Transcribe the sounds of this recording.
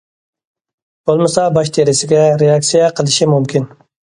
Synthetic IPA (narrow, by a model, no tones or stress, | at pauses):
b̥olˠmɨsɑbɑʃt̪ʰeɾɪsɪɡʲɛɾejɑk̚sijɛqʰəlˠɪʃimumkʲin